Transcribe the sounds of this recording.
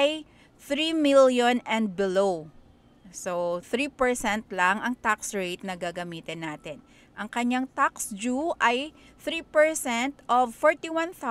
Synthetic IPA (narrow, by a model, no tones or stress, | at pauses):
aj | θɾimiljonɛ̃nd̪̚bɪlo | soθɾiːpɛɹsɛnt̪lɐŋɐŋt̪aksɹejt̪̚nɐɡaːɡɐmiːt̪ɪnːaːt̪ɪn | ʔɐŋkɐɲaŋt̪aksd͡ʒuʔɐj | θɾiːpɛɹsɛnt̪ʔovfɔɹt̪iwãnθa